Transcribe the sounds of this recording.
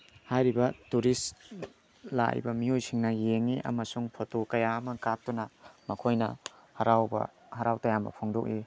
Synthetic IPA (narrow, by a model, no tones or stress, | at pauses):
hajɾibɐtuɾis | la̰j̰bɐmiojsiŋnɐjeŋiʔɐ̰mɐsuŋpʰotokɐjaɐmɐkap̚tunɐmɐkʰojnɐ | hɐɾawbɐ̰ | hɐɾawtɐjambɐ̰pʰoŋdok̚i